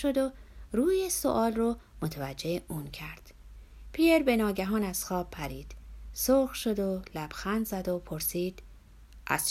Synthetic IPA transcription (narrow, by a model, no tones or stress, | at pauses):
ʃod̪oruːjeso̰ʔɒːlrɔmot̪ʰevæd͡ʒːe̞euːncʰæɾd̪̥ | pʰijeɾbe̞nɒːɟæɦɒːnæz̥xɒːbpʰːæɾiːd̪̥soːxʃo̞d̪olæb̥xænd̪zæd̪opʰoɾsiːd̪̥ | ʔæ̰z̥